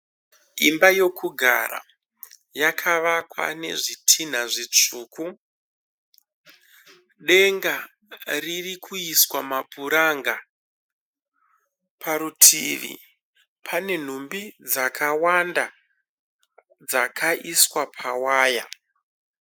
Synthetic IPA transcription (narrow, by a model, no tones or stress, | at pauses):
imbajo̞kʰuɡʱa̰ɾa̰ | jakʰaʋakwa̰ne̞̰ʐitʰin̤aʐit͡ʂuːku | ɗe̞ŋɡa | ririkʰuiswamapuɾaŋɡa | pʰaɾutʰḭʋḭ | pʰane̞n̤umbid͡zakʰawanda | d͡zakʰaʔiswapʰawaːja